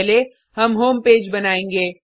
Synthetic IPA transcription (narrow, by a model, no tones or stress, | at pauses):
le | ɦɐmɦoːmpeːd͡ʒbɐnaːẽːŋɡeː